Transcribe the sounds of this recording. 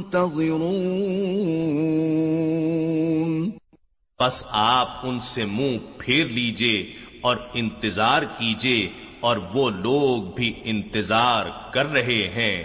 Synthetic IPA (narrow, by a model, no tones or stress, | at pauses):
t̪ɐðɪɾuː | n | pɐsaːp̚ʊnsemũːpʰeːɾliːd͡ʒeɔːɾɪ̃nt̪ɪzaːɾkid͡ʒeɔːɾʋoloːɡ̚bʱiɪ̃nt̪ɪzaːɾkɐɾːɐɦeɦɛ̃ː